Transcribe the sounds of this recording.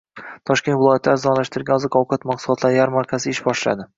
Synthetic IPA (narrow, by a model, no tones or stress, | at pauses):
t̪ʰɒʃkʲe̞nt̪vɪlˠɒjat̪laɾzɒnlaʃt̪ɪɾɡʲanzɪqʰɒwqʰat̪maqsʊlˠɒt̪ʰlaɾɪjaɾmaɾkʲʰazɪɪʃbɒʃla̰d̪ɪ